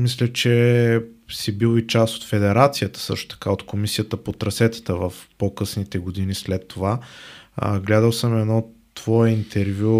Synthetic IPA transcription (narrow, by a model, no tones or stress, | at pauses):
mislʲət͡ʃɛ | sibilˠit͡ʃast̪o̥t̪fɛd̪ɛɾat̪sijət̪ə̥sɤ̰ʃt̪o̥t̪ɐ̥kaot̪komisijət̪əpot̪ɾɐsɛt̪ə̥t̪əvəfpokɤsnit̪ɛɡod̪inislɛt̪ːova̰ | ɡlɛd̪əlˠsəmɛd̪nɔt̪v̥ɔɛint̪ʰɛɾvʲju